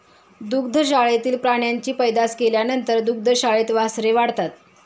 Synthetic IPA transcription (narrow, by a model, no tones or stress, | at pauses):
d̪uk̚d̪ʱəɕaɭet̪iːlpɾaɳ̃jaɲt͡ɕiːpəjd̪askeljanənt̪əɾd̪uk̚d̪ʱəɕaɭet̪ʋasɾeʋaɽ̤t̪at̪̚